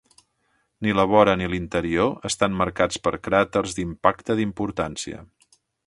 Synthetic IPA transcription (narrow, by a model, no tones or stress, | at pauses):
niləβɔɾənilint̪əɾioəst̪amməɾkat͡spəɾkɾat̪ərzd̪impakt̪əðimpuɾt̪ansiə̰